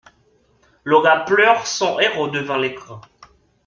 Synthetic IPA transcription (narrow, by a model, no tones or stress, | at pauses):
lɔɡaplœʁsɔ̃ʔeʁod̪əvɛ̃lekχɛ̃